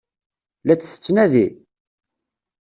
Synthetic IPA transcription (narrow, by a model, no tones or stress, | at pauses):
læt͡sːθə̥t͡sːnæði